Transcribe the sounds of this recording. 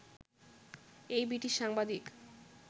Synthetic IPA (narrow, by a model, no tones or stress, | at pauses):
ejbiʈiʃaŋbad̪ik